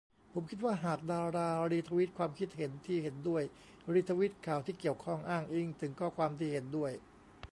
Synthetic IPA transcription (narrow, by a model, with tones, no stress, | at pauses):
pʰo˩˦mkʰi˦˥t̪̚waː˥˩ɦaː˨˩k̚daː˧ɾaː˧ɾiː˧˥t̪ʰa˧wi˦˥t̪̚kʰwaː˧mkʰi˦˥t̪̚he˩˦nt̪ʰiː˥˩he˩˦ndu˥˩əj | ɾiː˧˥t̪ʰːa˧wi˦˥t̪̚kʰaː˨˩wt̪ʰiː˥˩ki˨˩əwkʰɔ˥˩ŋʔaː˥˩ŋʔi˧˩ŋt̪ʰɯ˩˦ŋkʰɔː˥˩kʰwaː˧mt̪ʰiː˥˩he˩˦ndu˥˩əj